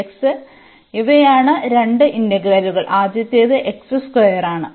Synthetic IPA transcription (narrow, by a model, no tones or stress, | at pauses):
eksɨ | iʋejaːɳɨɾe̞ɳɖɨʔind̪eɡɾɐluɣɐɭʔaːd͡ʑjɐt̪ːeːðɨʔeksɨskojɐraːɳɨ